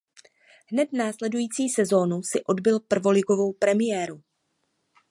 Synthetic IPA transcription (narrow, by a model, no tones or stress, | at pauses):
ɦnɛt̪naːslɛdujiːt͡siːsɛzo̞ːnusɪʔo̞dbɪlpr̩vo̞lɪɡo̞vo̞wpɾɛmɪjɛːɾu